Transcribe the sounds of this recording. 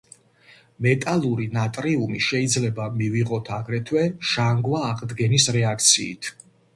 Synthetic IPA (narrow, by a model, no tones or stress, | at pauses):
mɛt̪ʼalˠuɾinat̪ʼɾiumiʃɛid̪zlɛbamiviʁɔt̪ʰaɡɾɛt̪ʰwɛʃaŋɡwaːqʼd̪ɡɛnisɾɛakʰt̪sʰḭːt̪ʰ